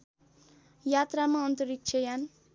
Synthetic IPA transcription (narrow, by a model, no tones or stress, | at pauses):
jat̪ramaʌnt̪ʌɾik̚t͡ʃʰʌjan